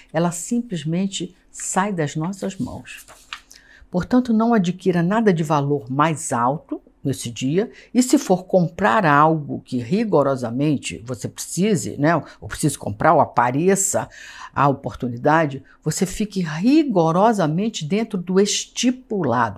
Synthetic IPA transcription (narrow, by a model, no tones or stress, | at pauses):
ɛlɐsĩplizmẽnt͡ʃɪ | sajd̪ɐznɔsɐzmɐ̰̃w̃s | poɾt̪ɐ̃nt̪ʊnɐ̃w̃ad͡ʒikiɾɐnad̪ɐd͡ʒɪvaloɾmajzawt̪ʊ | nesɪd͡ʒiɐɪsɪfoɾkõmpɾaɾawɡʊkɪɦiɡoɾɔzɐmẽnt͡ʃɪ̰vosepɾesizɪ̰nɛopɾesizɪkõ̰pɾʔaɾoapaɾesɐ̰a̰opoɾt̪unid̪ad͡ʒɪ | vosefikɪɦiɡoɾɔzɐmẽnt͡ʃɪd̪ẽnt̪ɾʊd̪ʊeʃt͡ʃipula̰d̪ʊ